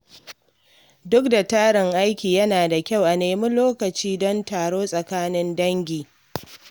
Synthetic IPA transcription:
dʊ˦k̚da˨taː˦ɽɪ˨ŋʔa˦jkʲiː˨jɐ˦naː˨da˨kʲa˦˨wʔa˨neː˨mʊ˦nloː˦kɐ˨t͡ʃiː˦dɔ˦ntaː˨ɽoː˦sʼɐ˨kaː˦nɪ˦ndɐ˦ŋɡʲiː˨

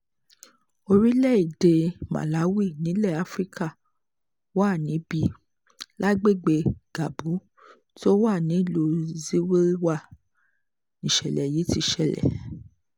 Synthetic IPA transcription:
o˧ɾi˦lɛ˦˨i˨de˧mã̰˨la˨˦wi˦˨nĩ˨˦lɛ˦˨a˦fɾi˦ka˦˨ | wa˦˨nĩ˨˦bi˧ | la˦ɡ͡be˦˨ɡ͡be˧ɡ̥a˨bu˨˦ | ti˦o˦wa˦˨nĩ˨˦˨lo˧zi˦we˦i˦wa˦˨ | nĩ˨ʃɛ˨lɛ˨ji˨˦ti˧ʃɛ˨lɛ̰˨

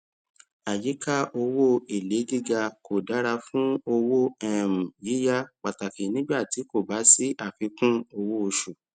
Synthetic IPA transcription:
a˨ji˨˦ka˦ʔo˧wo˦e˨le˨˦ɡi˦˨ɡa˧ko˨da˨˦ɾa˧fũ˦o˧wo˦ɛ˦˨mũ˨ji˨˦ja˦k͡pa˨ta˨ki˨nĩ˦ɡ͡ba˦˨ti˨˦ko˦˨ba˨˦si˦ʔa˦˨fi˨˧˦kũ˦o˧wo˦o˧ʃu˨

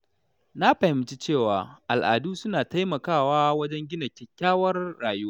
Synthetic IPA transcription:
na˦ɸɐ˨ɪ˦mɪ˨t͡ʃi˦t͡ʃeː˦˨waː˨ʔa˨lʔa̰ː˨duː˦sʊ˦naː˨ta˦jmɐ˨kaː˦˨waː˦wɐ˦d͡ʒɛ˦ŋɡʲɪ˦nɐ˨kʲɛ˦kʲːaː˦wɐ˦rːaː˨ju˦a˦

